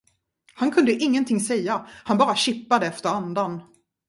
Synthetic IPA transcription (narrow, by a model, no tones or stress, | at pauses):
hankʰɵnd̪əʔɪŋːənt̪ʰɪŋːsɛjːahanbɑːɾaɕɪpːad̪əɛft̪əɾand̪an